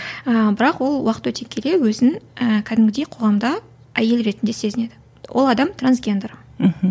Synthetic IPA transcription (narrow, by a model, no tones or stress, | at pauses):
əbɪɾɑqwo̞lˠwɑqə̥t̪wɵt̪e̞kʲʰe̞le̞wɵzɪəkʲʰæd̪ɪmɡʲɪd̪e̞jqʰo̞ʁɑmd̪ɑ | æje̞lɾe̞t̪ɪnd̪e̞se̞zɪne̞d̪ɪ | wʔo̞̰lˠɑd̪ɑmt̪rans̬ɡʲe̞nd̪rm̩h̩